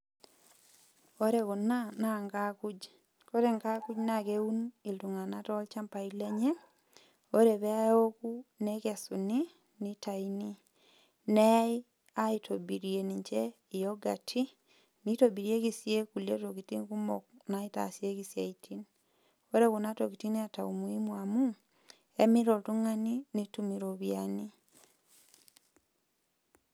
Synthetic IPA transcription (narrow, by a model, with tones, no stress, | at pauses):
o˦ɾe˨kɔ˨na˦na˦ŋɡa˦ku˦d͡ʒ | ko˦ɾe˨ŋka˦ku˦d͡ʒna˦˨ke˦u˦ni˨ltu˨ŋa˨na˦tɔ˦lt͡ʃa˦mpa˨ile˦ɲe˦ | o˦ɾe˨bɛ˦a˦jo˦kunɛkɛ˨su˨ni˦ | ni˦ta˨ini˦ | nɛ˦j | a˦i˨tʰo˨bi˨ɾje˨ni˨ɲt͡ʃe˦ | ijoɡa˨tʰi˦ | nitobiɾie˦kisje˦kule˦tokiti˦nku˦monaita̰˨sjekisja˨itʰini | o˦ɾekunatokiti˦ni˦ataumwimwamu | emi˦ɾotuŋaninitumiɾoβjani